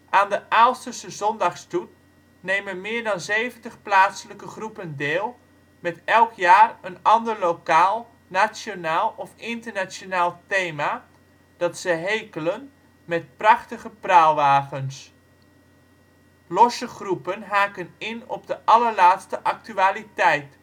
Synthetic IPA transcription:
ʔaːndəʔaːlˠstəsəzɔndɑχstut̚ | nejmənmɪːɹdɑnzejvəntəχplaːtsələkəχrupəndɪːlˠ | mɛtɛlˠkjaːrənɑndəɹlowkaːlˠ | nasjonaːlˠɔfɪntəɹnasjonaːlˠtejma | d̥ɑtsəɦejkələn | mɛt̚prɑχtəχəprawʋaːɣəns | lɔsəχrupənɦaːkənɪnɔbdəʔɑləɹlaːtstəʔɑk̚tyaːlitɛjt

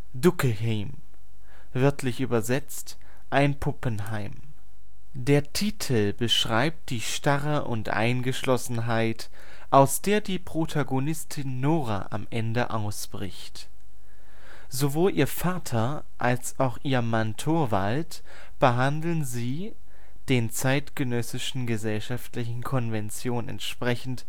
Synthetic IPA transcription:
dʊkəhɛm | vɪɐtʰlɪçʔyːbɐzɛt͡st | ʔaɪnpʰʊpənɦaɪm | d̥eːɐtʰiːtʰl̩bəʃʁ̥aɪp̚t̚d̥iːʃtaʁəʔʊ̰ntʔa̰ɪnɡəʃlɔsn̩ɦaɪt | ʔaʊsd̥eːɐdiːpʁ̥otʰaɡonɪstʰɪnːoːʁa̰ʔa̰mʔɛndə̰ʔaʊsb̥ʁɪçt | zovoːlʔiːɐfaːtʰɐ | ʔalsaʊxʔiːɐmantʰoːɐvalt | b̥əɦandl̩nziː | d̥eːnt͡saɪtɡ̥ənœsɪʃn̩ɡəzɛlʃaftlɪçn̩kʰɔnvɛnt͡sjoːnɛ̰ntʃpʁ̥ɛçn̩t

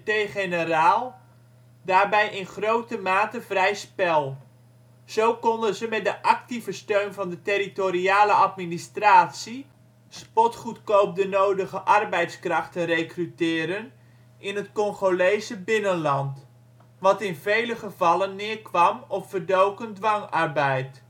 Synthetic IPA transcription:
tejχenəraːlˠ | daːɹbɛjʔɪnχrowtəmaːtəv̥rɛjspɛlˠ | z̥owkɔndənzəmɛt̚dəʔɑk̚tivəstøɥnvɑndəteɾitoɾiaːləʔɑtministraːtsi | spɔtχutkowp̚dənowdəχəʔɑrbɛjtskrɑχtənrejkrytɪːɾən | ʔɪnɦətkɔŋχolejzəbɪnənlɑnt | ʋɑtɪnvejləχəvɑlənːɪːɹkʋɑmɔffərdowkəndʋɑŋɑɹbɛjt

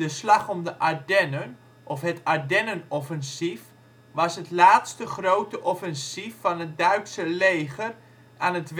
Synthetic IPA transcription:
dəslɑχɔmdəʔaɹdɛnən | ʔɔfɦətaɹdɛnənɔfɛnsif | ʋɑsɦətlaːtstəχrowtəʔɔfɛnsifːɑnɦət̚dœɥtsəlejχər | aːnətʋ

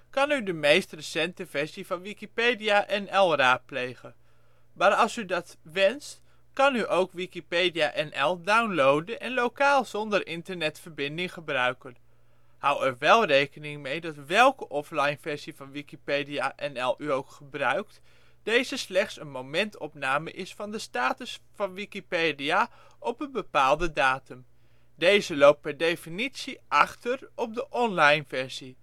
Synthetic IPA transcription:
kɑnydəmejstrəsɛntəvɛɹsivɑnʋikipejdiaʔɛnɛlˠraːt̚plejχən | maːɾɑlˠsydɑtʋɛnst | kɑnyʔowkʋikipejdiaʔɛnʔɛlˠdawnlowdənʔɛnlowkaːlˠz̥ɔndəɾʔɪntəɹnɛtfəɹbɪndɪŋχəbrœɥkən | hawɛɹʋɛlˠrejkənɪŋmejdɑtʋɛlˠkəʔɔflɑjnvɛɹz̥ivɑnʋikipejdiaʔɛnɛlˠyowkχəbrœɥkt | d̥ejzəslɛχtsənmomɛntɔpnaːməʔɪsfɑndəstaːtəsfɑnʋikipeːdia | ʔɔpənbəpaːlˠdədaːtəm | dejzəlowp̚pɛɹdejfinitsiʔɑχtərɔp̚dəʔɔnlɑjnvɛɹz̥i

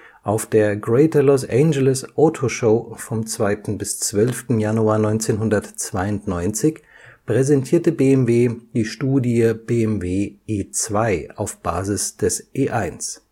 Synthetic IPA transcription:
ʔaʊfd̥eːɐɡʁɛɪtʰɐlɔsʔɛnd͡ʒɛlɪsʔɔtʰoʃoʊfɔmt͡sv̥aɪtn̩bɪst͡sv̥œlftn̩januaːɐnɔʏnt͡seːnɦʊndɐtt͡sv̥aɪʊntnɔʏnt͡sɪç | pʁ̥ɛzɛntʰiːɐtəbeːɛmveːd̥iːʃtuːdiəb̥eːɛmveːʔeːt͡sv̥aɪa̰ʊfb̥a̰ːzɪsd̥ɛsʔeːʔaɪns

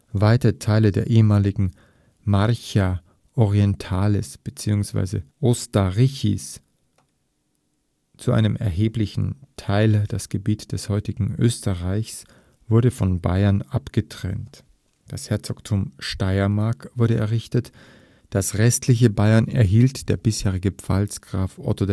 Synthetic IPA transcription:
vaɪtəətʰaɪlədeːɐʔeːəmaːlɪɡŋ̩ | maça | ʔɔʁiɛntʰaːlɪsb̥ət͡siːʊŋsv̥a̰ɪzə̰ʔostaʁiçḭs | t͡suʔa̰ɪnəmʔɛ̰ɐɦeːplɪçn̩tʰaɪld̥asɡ̥əbiːtd̥ɛshɔʏtɪɡŋ̩ʔø̰ːstəʁaɪçs | v̥ʊɐdəfɔnba̰ɪɐnʔapɡ̥ətʁ̥ɛ̰nt | d̥ashɛɐt͡sɔktʰʊmʃtaɪɐmaɐkv̥ʊɐɾəɛɐʁɪçtət | d̥asʁɛstlɪç̬əbaɪɐnɛɐɦiːltd̥eːɐbɪsheːʁ̞ɪɡəpp͡fa̰lsɡ̥ʁaːfʔɔ̰tod

